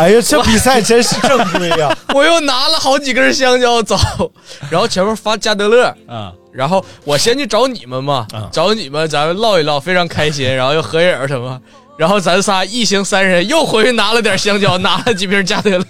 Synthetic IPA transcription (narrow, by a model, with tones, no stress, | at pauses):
a˧˩o˥t͡ɕʰɛ˥pi˨˩sa˥˩ɪt͡ɕʰɛ˥ʂɻ̩˥˧ɤ˥˩fwɔ˨˩jo˥˩ʊna˧˥lə˨˧xɑ˧˥ʊt͡ɕi˨˩ɡə˧ɻ̩˥˩ɕ̬jɑ˥ŋt͡ɕjɑ˥ʊt͡sɑ˨˩˦ʊ | a˧˥nxo˥˩ʊt͡ɕʰɛ˧˥npʰɔ˥˧fa˥˧t͡ɕja˥˩t̪ɤ˧˥lə˥˩˧ | ɻa˧˥nxo˥˩ʊwɔ˨˩ɕjɛ˥nt͡ɕʰy˥˩ʈ͡ʂɑ˧˥ʊni˨˩mə˦nmɐ˧ʈ͡ʂɑ˧˥ʊni˨˩mə˦nt͡sa˧˥mlɑ˥˧ʊi˧˩lɑ˥˩ʊfe˥ɪʈ͡ʂʰɑ˧˥ŋkʰa˥ɪɕi˥nɻa˧˥n˥xo˥˧ʊjo˥˩ʊxɤ˧˥jə˨˧˩ə˞˧˥ʂə˧˥nmɐ˧ | ɻa˧˥nxo˥˩ʊt͡sa˧˥nsʰa˥i˥˩ɕi˥ŋsa˥nʂə˧˥njo˥˩ʊxwe˧˥ɪy˥˩na˧˥lə˧t̪jɐ˨˩ɕjɑ˥ŋt͡ɕjɑ˥ʊna˧˥lə˧t͡ɕi˨˩pʰjɛ˥ɻ̩˥˧t͡ɕja˥˩t̪ɤ˧˥l